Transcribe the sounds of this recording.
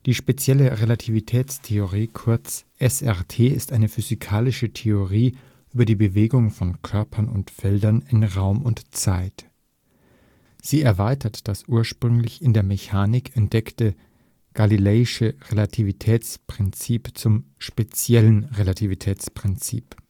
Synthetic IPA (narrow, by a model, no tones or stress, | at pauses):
d̥iːʃpet͡sjɛləʁelatʰivitʰɛːt͡stʰeoʁiːkʰʊɐt͡sʔɛsɛɐtʰeːɪstʔaɪnəfyzikʰaːlɪʃətʰeoʁiː | ʔyːbɐdiːbəveːɡʊŋfɔnkʰœɐpʰɐnʊ̰ntfɛldɐnɪnʁaʊmʊntt͡saɪt | z̥iːɛɐvaɪtʰɐtd̥asʔuːɐʃpʁ̥ʏŋlɪçɪndeːɐmeçaːnɪkʰɛntd̥ɛktə | ɡ̥alilɛːɪʃəʁelatʰivitʰɛːt͡spʁ̥ɪnt͡siːpt͡sʊmʃpet͡sjɛlənʁelatʰivitʰɛːt͡spʁ̥ɪnt͡sḭːp